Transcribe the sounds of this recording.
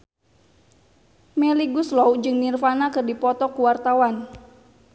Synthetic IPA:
mɛliɡuslɔwd͡ʒɨŋnirfanakɨrdipɔt̪ɔkuwart̪awan

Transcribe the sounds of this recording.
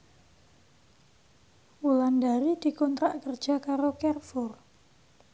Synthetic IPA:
ʔulandaɾid̪̥i̤kɔnt̪ɾaʔkərd̥d͡ʒ̥akaɾokɛrfʊr

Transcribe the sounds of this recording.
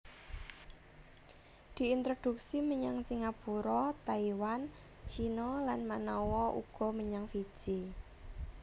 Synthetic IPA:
d̪̥i̤int̪ɾod̪̥ṳk̚siməɲaŋsiŋapuɾɔt̪aiwan | t͡ʃinɔlanmanɔwɔʔṵɡ̥ɔ̤məɲaŋfi̥ʒ̥i

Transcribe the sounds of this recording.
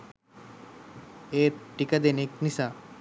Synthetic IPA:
eɾʈikad̪eneknisa

